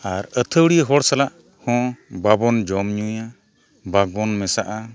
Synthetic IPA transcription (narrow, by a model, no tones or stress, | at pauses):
aɾət̪ʰəwɽijəɦɔɽsalaʔ | hɔ̃babɔnd͡ʒɔmɲuja | baɡ̚bɔnmɛsaʔa